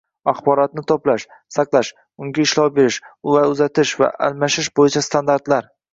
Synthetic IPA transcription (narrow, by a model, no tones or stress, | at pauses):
aχbɒɾɒt̪̚nɪt̪ʰoplaʃsaqlˠaʃ | ʊŋɡʲaɪʃlɒwbe̞ɾɪʃʊlaɾʊzat̪ʰɪʃva̰ʔa̰lmaʃɪʃbojɪt͡ʃʰast̪ʰand̪aɾt̪laɾ